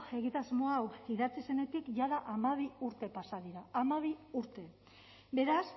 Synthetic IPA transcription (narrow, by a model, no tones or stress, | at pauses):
e̞ɣ̞it̪azmoawiðat͡sise̞ne̞t̪ikʝaðaʔamaβ̞iuɾt̪e̞pasað̞iɾaːmaβiuɾt̪e̞ | be̞ɾas